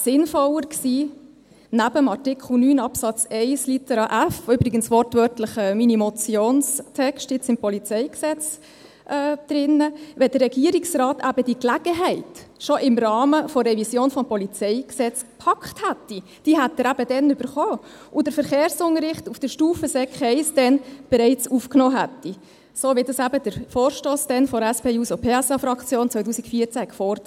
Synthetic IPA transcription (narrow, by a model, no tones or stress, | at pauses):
sɪnfɔləɾksiː | næb̥əmɑɾtɪkχl̩nyːnɑpsɑt͡sɛɪslitɛɾɑʔæfʏbɾɪɡənsʋɔrtvœɾtlɪχəminimɔt͡sjoːnstʰɛkʃtɪt͡sɪmpɔlit͡sɛɪksɛt͡s | ʔɛːd̥ɾɪnːəʋɛdərːɛɡiəɾiksrɑːtæbəd̥iːklæɡ̥əɦɛɪtʃɔʔɪmrɑːməfɔrɛvisjoːnfɔmpɔlit͡sɛɪksɛt͡spʰɑkthæt̪ːi | d̥iːɦæt̪ːəɾæb̥ədɛnʏbəɾχoː | ʔʊd̥əfəɾχeːɾsʊŋəɾɪχtufd̥əɾʃtuːfəsɛkχɛɪsd̥ɛnb̥ɛɾɛɪt͡sufknɔːɦætːi | soːʋɪdɑsæbəd̥əɾfoːɾʃtoːsd̥ɛnfɔɾæspʰeːuːsopʰeːɛsɑfɾɑkt͡sjoːnt͡sʋœɪt̬uːsikfiːt͡sækfɔɾd